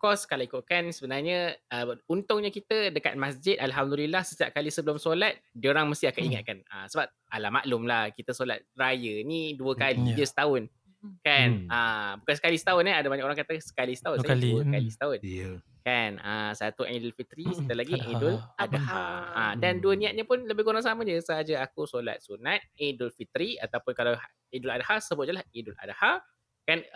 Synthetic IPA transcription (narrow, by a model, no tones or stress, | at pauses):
kɔskalawikʊt̪̚kansəbənarɲəəunt̪ʊŋɲə̃kit̪ədəka̰t̪̚masd͡ʒɪd̪̚alɦamdulilːahsət̪ia̰p̚kalisəbəlʊmsolat̪̚dioɾaŋməst̪iakaniŋa̰t̪̚kanəsəbap̚alama̰ʔlʊmlahkit̪əsola̰t̪̚rajəniduəkalid͡ʒəsə̥t̪aʊn | kanəbukansə̥kalisə̥t̪aʊnaadabaɲakoɾaŋkat̪asə̥kalisə̥t̪aʊnsaluəkalisə̥t̪aʊn | kanəsat̪uʔadʊlfit̪ɾiit̪əlaɡiedʊlʔadahaadanduənĩat̪̚ɲəpʊnləbɪɡoɾaŋsamãd͡ʒəsəɦad͡ʒaakusola̰t̪̚sunat̪̚edʊlfit̪ɾia̰t̪awpʊnkala | idʊladahasəbʊt̪̚ɲəlahidʊlʔa̰daha | kan